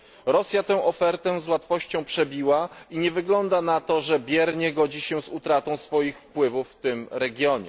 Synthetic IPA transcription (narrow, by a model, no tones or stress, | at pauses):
ɾɔsʲjat̪ɛ̃w̃ʔɔfɛɾt̪ɛzwat̪fɔɕt͡ɕɔ̃w̃pʂɛbʲiwaiɲɛvɘɡlɔnd̪anat̪ɔʐɛbʲjɛɾɲɛɡɔd͡ʑiɕɛzut̪ɾat̪ɔ̃w̃sfɔjixfpwɘvufft̪ɘmɾɛɡʲjɔɲɛ̰